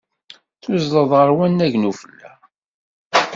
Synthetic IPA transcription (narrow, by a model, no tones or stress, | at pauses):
θʊzðəðˤʁəɾwænːæʝnufəlːæ